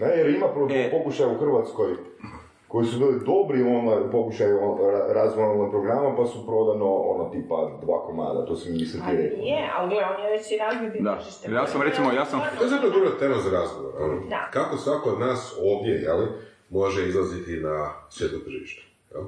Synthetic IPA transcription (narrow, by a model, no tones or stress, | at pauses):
ajeɾimapɾopo̞kuʃajauxr̩ʋat̪sko̞j | ko̞jisubiːlid̪obɾionaupo̞kuʃajuoɾaɾazonomapɾoɡɾamapasupɾo̞d̪ano̞o̰not̪iːpad̪ʋa̰ːkoma̰ːd̪a̰t̪oːsimiset̪iɾed̪ea̰lɡleoneʋet͡ɕiɾazit̪d̪ajaːssamɾesimojaːsamazet̪od̪uɡat̪eɾazaɾazɡoʋo̰ɾo̰nod̪akakosʋakod̪naːso̞ːʋd̪ʲjejeli | mo̞ʒeizlˠazit̪inasjet̪not̪r̩ʒiʃt̪e̥jɛ̰l